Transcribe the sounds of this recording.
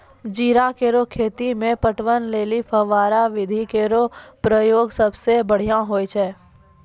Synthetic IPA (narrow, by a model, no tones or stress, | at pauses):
d͡ʒiːɾakeːɾokʰeːt̪imẽpəʈwənleːlipʰəʋaːɾaʋɪd̪ʱikeːɾopɾəjoːɡsəbsebəɽ̤ijãɦoːjt͡ʃʰɛː